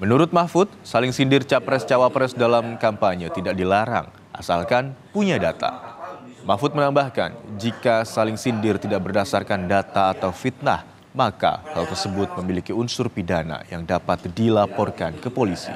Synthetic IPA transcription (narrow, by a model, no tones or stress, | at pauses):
mənuɾʊt̪̚mafʊt̪̚salɪŋsindɪrt͡ʃapɾɛst͡ʃawapɾɛsdalamkampaɲət̪idaʔ̚dilaɾa̰ŋ | ʔa̰salkanpuɲadat̪a̰ | mafʊt̪̚mənambahka̰nd͡ʒikasalɪŋsindɪrt̪idaʔ̚bərdasarkandat̪aːt̪awfit̪̚na̰h | maka̰halt̪ərsəbʊt̪̚məmilikiunsʊrpidana̰jaŋdapat̪̚dilapɔrkankəpolisḭ